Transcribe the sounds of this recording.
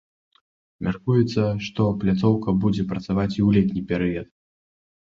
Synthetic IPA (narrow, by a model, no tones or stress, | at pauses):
mʲarkujɛt̪sːɐʂt̪ɔplʲat̪sɔwkɐbud͡zʲɛpɾɐt̪savat͡sʲiwlʲɛt̪̬ʲnʲipʲɛɾɨjɐt̪